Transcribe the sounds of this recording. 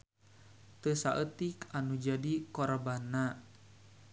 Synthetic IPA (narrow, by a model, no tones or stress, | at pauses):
t̪əsaʔət̪ikanud͡ʒadikɔrbanːa